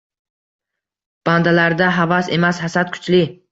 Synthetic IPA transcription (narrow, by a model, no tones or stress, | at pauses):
b̥and̪alaɾd̪aɦavase̞mashasat̪̚kʰʊ̥t͡ʃlɪ